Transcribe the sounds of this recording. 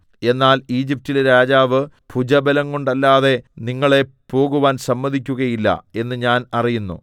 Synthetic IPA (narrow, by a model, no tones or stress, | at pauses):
e̞nːaːliːd͡ʑip̚tilɾaːd͡ʑaːʋɨ | pʰud͡ʑɐbɐlɐŋkoɳɖɐlːaːðe̞niŋːɐɭe̞po̞ːɣuʋaːnsɐmːɐðʱik̬ʲːuɣɐjilːɐ̰e̞nːɨɲaːnɐrijunːṵ